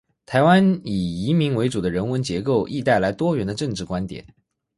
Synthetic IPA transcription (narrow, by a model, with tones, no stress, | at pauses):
t̪ʰa˧˥ɪwa˥ni˨˩i˧˥mi˧˥ŋwe˧˥ɪʈ͡ʂu˨˩d̪ə˦ɻə˧˥nwə˧˥nt͡ɕjɛ˧˥ko˥˩˧ʊʔi˥˧t̪a˥˩ɪla˧˥ɪt̪wɔ˥ɥɛ˧˥nd̪ə˧ʈ͡ʂɤ˥˧ŋʈ͡ʂɻ̩˥˩kwa˥nt̪jɛ̰˨˩˦n